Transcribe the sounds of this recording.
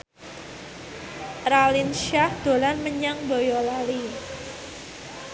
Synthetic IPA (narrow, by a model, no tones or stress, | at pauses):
ɾalinʃahd̪̥o̤lanməɲaŋbojɔlali